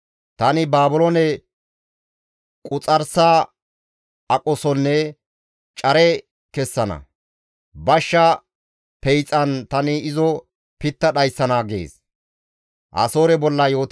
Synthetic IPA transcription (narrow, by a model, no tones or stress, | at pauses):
t̪ɐnɪbaːbʊlɔnɛ | kʼʊt͡sʼɐɾsaː | ɐkʼɔsɔnːɛ | t͡ʃʼɐɾɛ | kɛsːɐnɐ̰ | bɐʃːɐ | pɛjt͡sʼːɐnt̪ɐnɪɪzɔ | pɪt̪ːɐɗɐjsːɐnaːɡḛːs | ʔɐ̰so̞ːɾɛbɔlːɐjo̞ːt̪